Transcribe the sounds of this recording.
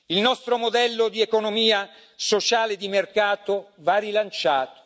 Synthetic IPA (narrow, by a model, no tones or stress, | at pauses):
ilnɔst̪ɾomod̪ɛlːod̪iekonomiːa | sot͡ʃaːled̪imerkaːt̪ovarilant͡ʃaːt̪o̥